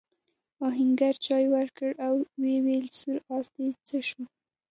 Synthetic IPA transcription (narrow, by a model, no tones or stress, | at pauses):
ɑɦɪŋɡaɾt͡ʃɑjwəɾkəɽawːewelsuɾɑst̪ezt͡səʃu